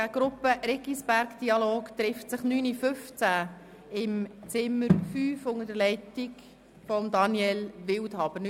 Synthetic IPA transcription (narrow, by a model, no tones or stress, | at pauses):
æɡ̥ɾʊpːəɾɪɡisb̥æɾkd̥iɑloːkt̪ɾɪftsəχnyːnifɵft͡sæ | ɪmt͡sɪmːəɾfyːfʊŋədəlɛɪtɪk | fɔmd̪ɑnjɛlʋɪwthɑb̥əɾn